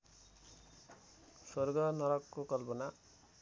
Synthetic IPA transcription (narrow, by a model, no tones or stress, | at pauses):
sworɡʌnʌɾʌkːokʌlpʌna